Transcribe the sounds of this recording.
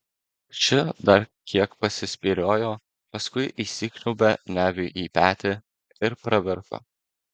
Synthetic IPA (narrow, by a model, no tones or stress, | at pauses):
t͡ʃʲɪd̪ɐɾkʲʰiɛkpɐsʲɪsʲpʲiɾʲoːjoː | pɐskʊɪʔiːsʲiːknʲʊbʲɛnʲæːʋʲɪʔiːpʲæːt̪ʲɪ | ɪɾpɾɐʋʲɪɾko̰ː